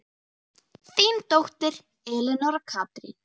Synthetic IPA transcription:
θiːnt̪owht̪ɪɾ | ɛːlɪnɔɾakʰaːt̪ɾḭ

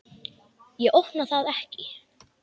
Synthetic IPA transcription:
jɛʔowhpnaθaðɛhcɪ

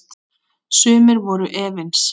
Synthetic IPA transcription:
sʏːmɪɾvɔɾʏʔɛːvɪns

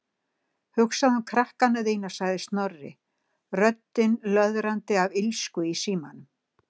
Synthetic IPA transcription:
hʏksaðamkʰɾahkanːaðeːjnḁsaɣðɪst̪nɔrːɪ̰ | rœt̪ːɪnlœðɾant̪ɪavɪlskʏisiːmanʏm

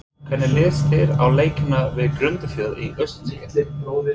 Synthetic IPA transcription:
kʰvɛnɪlɪːst̪ɪɾa̰wleːjcɪnavɪðkɾʏnt̪ʏfjœːðiʔœɥst̪nscɛt̪lɪ

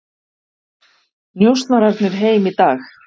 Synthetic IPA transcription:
njowst̪naɾaɾt̪nɪɾ̥ɦeːjmit̪aːx

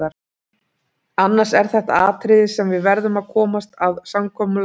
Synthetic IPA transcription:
aɾ | anːaɾsɛɾ̥θɛht̪a̰aːt̪ʰɾɪðɪsɛmvɪðvɛɾðʏmaðkʰɔːmast̪aðsamkʰɔːmʏl

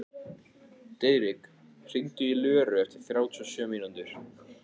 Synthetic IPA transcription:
t̪eːjɾɪk | r̥ɪnt̪ʏilœːɾʏɛft̪ɪɾ̥θɾaːwt̪ʰːɔsœːmiːnant̪ʏɾ̥

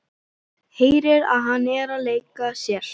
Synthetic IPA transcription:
heːjɾɪɾa̰ðɦanːɛːɾaleːjkasjɛɾ̥

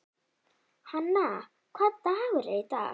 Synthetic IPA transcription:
hanːa | kʰat̪aawəɹet̪a̰

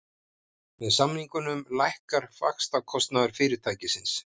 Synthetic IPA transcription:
vɛðsamniŋkʏnʏmlajhkaɾ̥fa̰kst̪akʰɔst̪naðʏɾ̥fɪːɾɪɾt̪ʰaːjcɪsɪns

